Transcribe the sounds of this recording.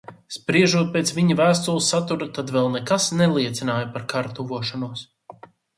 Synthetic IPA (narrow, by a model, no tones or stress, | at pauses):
spɾiɛʒuɔt̪̚peːt̪sviɲavæːst̪ulˠsːat̪uɾat̪ad̪vɛlˠnɛkasnɛlˠiɛt̪sinaːjapaɾkaɾt̪uvuɔʃanuɔs